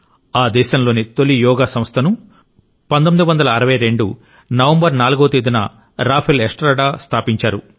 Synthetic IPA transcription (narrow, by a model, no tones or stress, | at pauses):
aːd̪ɛːʃɐmlo̞ːnit̪o̞lijɔːɡaːsɐmst̪ʰɐnu | pɐnt̪̬omid̪uʋɐnd̪ɐlɐːɾɐʋɐjɾe̞ɳɖṵ | nɐʋɐmbɐɾnaːluɡoʋɐt̪eːd̪unɐ̰ | ɾaːpʰelesʈɾaːɖaːst̪ʰaːpiɲt͡ʃaːɾu